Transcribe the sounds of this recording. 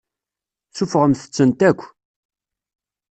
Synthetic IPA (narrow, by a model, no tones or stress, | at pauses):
sufəʁəmθə̥t͡sːənt̪ækʷː